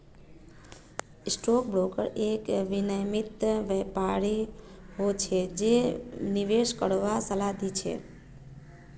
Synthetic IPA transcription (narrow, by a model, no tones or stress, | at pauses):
sʈok̚bɾokə̰ɾekʋinəjmit̪ʋəpaɾiɦot͡ʃʰed͡ʒeniʋeʃkəɽʋasəlad̪ʱit͡ʃʰḛ